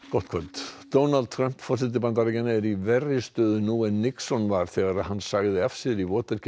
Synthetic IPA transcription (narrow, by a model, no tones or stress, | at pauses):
kɔht̪̚kʰvœlt̪d̪oːwnald̪̚t̪ʰɾœm̥pfɔr̥sɪt̪̬ɪpant̪aɾɪcanːaɛɾivɛrɪst̪œːðʏnuɛnːɪksɔnvaɾ̥θɛɣaɾaðɦanːsaɣðɪafsjɛɾivɔːt̪ɛɾ̥c